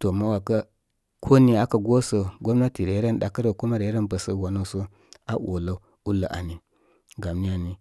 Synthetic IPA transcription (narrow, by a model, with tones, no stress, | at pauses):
to˨ma˦wa˨ka˦ | kʰo˦ni˦a˦ka˨ɡo˦so˨ɡo˦m˦na˦ti˨ɾe˨˦ɾe˦nɗa˨kə˦ɾə˨ku˦ma˦ɾe˨˦ɾe˦nbə˨sə˦wa˨no˦so˦ | a˦wo̰˨la˦˨˦ | u˦lːa˨ʔa̰˨ni˨ | ɡa˨m˦ni˦ja˨ni˦